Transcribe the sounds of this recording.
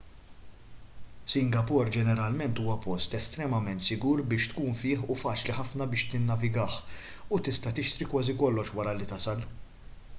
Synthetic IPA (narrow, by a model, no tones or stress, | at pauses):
sɪŋɡɐpʊɾd͡ʒɛnɛɾɐlmɛnt̪uːwɐpɔst̪ɛst̪ɾɛmɐmɛnt̪sɪɡuːɾbɪːʃt̪kuːnfɪːħufɐːt͡ʃliħɐfnɐbɪːʃt̪ɪnːɐvɪɡɐːħ | ut̪ɪst̪ɐt̪ɪʃt̪ɾikwɐːzikɔlːɔʃwɐɾɐlit̪ɐsɐl